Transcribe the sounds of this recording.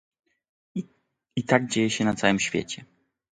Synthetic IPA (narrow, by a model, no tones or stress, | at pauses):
it̪aɡ̚d͡ʑejɛɕɛnat̪sawɘmɕfʲjḛt͡ɕɛ